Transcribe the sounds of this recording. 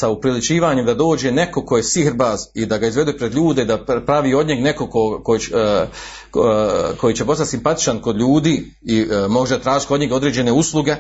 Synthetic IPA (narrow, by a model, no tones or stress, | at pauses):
saupɾilit͡ʃiːʋaːɲemd̪ad̪o̞ːd͡ʒe̞ne̞ko̞ko̞je̞sihɾbaːzid̪aɡaizʋe̞d̪uepɾed̪ʎuːd̪eid̪apɾaʋiːo̞d̪ɲeɡneko̞koko | ko̞jiːt͡ɕe̞po̞sat̪ʲsimpat̪i̥t͡ʃanko̞d̪ʎuːd̪iː | imo̞ɡʒed̪at̪ɾaːʒit̪ʲod̪ɲeɡo̞d̪ɾeːd͡ʑe̞ne̞usluɡe̞